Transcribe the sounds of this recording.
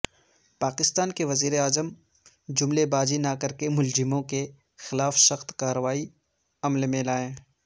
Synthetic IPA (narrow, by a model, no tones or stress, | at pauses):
paːkɪst̪aːnkeʋɐziːɾeaːzəm | d͡ʒʊmlebaːd͡ʒinakɐɾkemʊlzɪmõke | xɪlaːfsɐxt̪kaːɾəʋaːi | ɐmlmẽlaːẽː